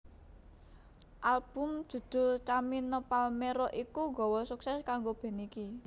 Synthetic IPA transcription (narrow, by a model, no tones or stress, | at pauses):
ʔalb̥ʊ̤m̥ʒ̥ṳd̪̥o̤t͡ʃaminəpalmeɾɔʔikuŋɡɔ̤wɔsuksɛskaŋɡob̥e̤niki